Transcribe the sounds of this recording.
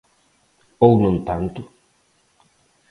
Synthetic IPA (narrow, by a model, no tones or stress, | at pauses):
ownũn̩t̪ant̪u